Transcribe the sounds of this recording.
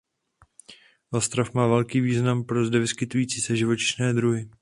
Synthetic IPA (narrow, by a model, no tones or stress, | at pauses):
ʔost̪ɾafmaːvɛlkiːviːznampɾo̞zdɛvɪskɪt̪ujiːt͡siːsɛʒɪvo̞t͡ʃɪ̥ʃnɛːd̪ɾuɦɪ